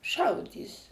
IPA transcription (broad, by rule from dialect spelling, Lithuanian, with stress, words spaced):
ˈʃɐʊdʲiːs